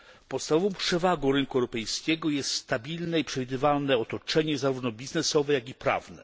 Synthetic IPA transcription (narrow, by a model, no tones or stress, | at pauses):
pɔt̪st̪avɔvɔ̃w̃pʂɛvaɡɔ̃w̃ɾɘŋkuɛwɾɔpɛjskʲɛɡɔjɛst̪st̪abʲilnɛipʂɛvʲid̪ɘvalnɛɔt̪ɔt͡ʂɛɲɛzaɾuvnɔbʲiznɛsɔvɛjaɡʲipɾa̰vnɛ̰